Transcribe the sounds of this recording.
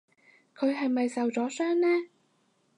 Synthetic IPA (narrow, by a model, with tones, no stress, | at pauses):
kʰɵ˨˧ɥɦɐ˨jmɐ˨jsɐ˨wt͡sɔː˨˥sœː˥ŋnɛː˥